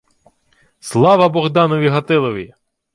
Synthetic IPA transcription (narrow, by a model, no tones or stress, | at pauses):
slˠɑʋɐbɔɣd̪ɑnɔʋʲiɦɐt̪ɪlˠɔʋʲi